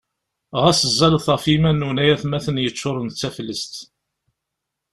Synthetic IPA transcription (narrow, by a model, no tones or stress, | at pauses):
ʁæsəzːælθəfimænːunæjæθmæθənjət͡sːʊɾˤənt͡sːæflːəst̪